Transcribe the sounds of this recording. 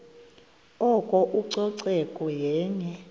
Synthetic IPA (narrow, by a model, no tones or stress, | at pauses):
ɔkʼɔʔuǀɔǀɛkʼɔjɛːɲɛ